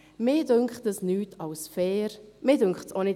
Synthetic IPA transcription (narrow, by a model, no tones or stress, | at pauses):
mɪːdʏŋkχtəsnyːtʰɑwsfɛːɾmɪːdʏŋkχtsonɪ